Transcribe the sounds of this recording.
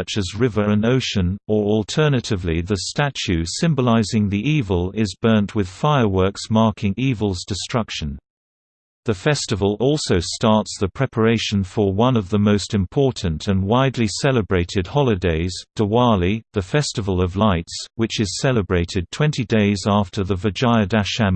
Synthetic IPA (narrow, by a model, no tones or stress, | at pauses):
ʌt͡ʃɨzɹɪvə˞ɨ̃noʊʃɨ̃nə˞ɔlˠtʰɜ˞nɨɾɨvliðɨstæt͡ʃʉsɪ̃mbəlaɪzɪ̃ŋðiʔivəlˠɪzbɜ̃˞nʔwɨð̥faɪə˞wɜ˞ksmɑɹkʰɪ̃ŋivəl̩ˠzdɨstɹ̥ʌkʃɨ̃n | ðɨfɛstɨvəlˠɔlˠsoʊstɑɹtsðəpʰɹ̥ɛpʰə˞eɪʃɨ̃n̩fə˞wʌ̃nʌvðəmoʊstɨ̃mpʰɔɹʔn̩tʰɨ̃nwaɪdˡlisɛlˠəbɹeɪɾɨd̚hɑlˠɨdeɪz̥d̥əwɑɹliðɨfɛstɨvəlˠʌvlaɪtswɨt͡ʃɨz̥sɛlˠəbɹeɪɾɨd̚tʰw̥ɛ̃ntʰideɪzæftʰə˞ðəvəd͡ʒaɪɨdæʃæm